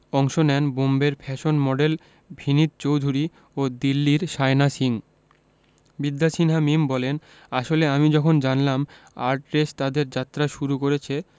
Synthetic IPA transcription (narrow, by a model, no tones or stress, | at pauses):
ɔŋʃonɛnbombeɾpʰɛʃonmɔɖel | bʱinit̪̚t͡ɕowd̪ʱuɾi | od̪ilːiɾʃaenasiŋ | bid̪ːaʃinɦamimbɔlen | aʃoleamid͡ʑɔkʰond͡ʑanlam | a̰ɾʈɾest̪ad̪eɾd͡ʑat̪ːɾaʃuɾukoɾet͡ɕʰe